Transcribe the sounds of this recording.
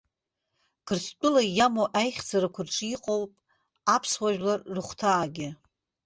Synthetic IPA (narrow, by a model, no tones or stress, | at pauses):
kʰɨrst͡pʷʼʊlajamoʔajχʲd͡zaɾakʷʰʊrʈ͡ʂʼiqʼowpʼ | apʰswaʒᶣlarːɨχʷtʰaːɡʲɪ